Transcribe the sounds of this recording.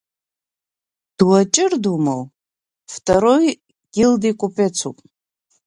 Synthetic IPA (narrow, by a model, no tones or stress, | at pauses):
d̥wat͡ʃʼɪrdumal | ftʰʼaɾoj | ɡ̥ʲildikʷʼupʰʼet͡sʰupʼ